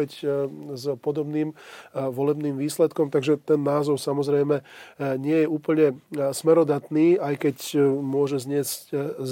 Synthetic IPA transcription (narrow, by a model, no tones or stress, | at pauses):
ɛczpɔd̪ɔbniːmʋɔlɛbniːmʋiːslɛt̪kɔmt̪aɡʒɛt̪ɛnːaːzɔʊsamɔzɾɛjmɛɲɪɛjɛuːpl̩ɲɛsmɛɾɔd̪at̪niːajkɛcmʊɔʒɛzɲɪɛzcz